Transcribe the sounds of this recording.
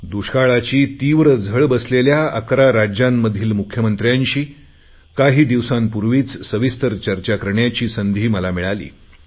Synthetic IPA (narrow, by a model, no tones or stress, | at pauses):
d̪uɕkaɭat͡ɕiːt̪iʋɾəd͡zʱəɭbəsleljaə̰kɾaɾad͡ʑjamːəd̪ʱiːlmukʰjəmənt̪ɾjaɲɕiː | kaɦiːd̪iʋsampuɾʋiːt͡ssəʋist̪əɾt͡ɕəɾt͡ɕakəɾɳjat͡ɕiːsənd̪ʱiːməlamiɭalḭː